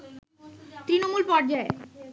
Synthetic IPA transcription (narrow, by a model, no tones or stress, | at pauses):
t̪ɾinomulpɔɾd͡ʑae